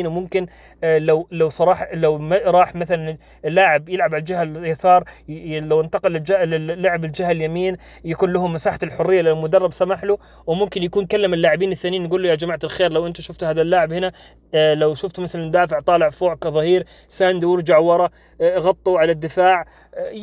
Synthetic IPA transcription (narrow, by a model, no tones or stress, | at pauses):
nmʊmkɪn | lawlawsˤɑɾˤɑːħɑlawmaɾˤɑːħmaθalan | ɪlːaːʕɪbjɪlʕabald͡ʒɪɦaljasɑːɾˤlawʔɪnt̪ɑqɪld͡ʒlɪːaʕɪbɪld͡ʒɪhaljamiːn | jakuːnlaɦʊmːasaːħaɪlħʊrːɪjːalɪlmʊd̪ɑrˤːɑbsamaħlu | wɪmʊmkɪnjakuːnkalːɪmɪlːaːʕɪbiːnɪθːaːnijːnːɡuːlːujad͡ʒamaʕt̪alxeːɾlawʔɪnt̪aʃʊft̪haːðalːaːʕɪbhɪna | lawʃʊft̪mɪθalamd̪aːfɪʕt̪ˤɑːlɪʕfoːʕkaðˤɑhiːɾ | sand̪iwɪɾˤd͡ʒaʕwɑɾˤɑ | ɣɑt̪ˤːuʕalad̪ːɪfaːʕ